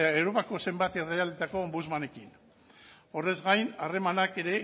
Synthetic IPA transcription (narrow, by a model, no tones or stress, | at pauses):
ewɾo̞pako̞se̞mbat̪ire̞ald̪et̪ako̞ːmbuzmane̞kin | o̞re̞zɣajnare̞manake̞ɾe̞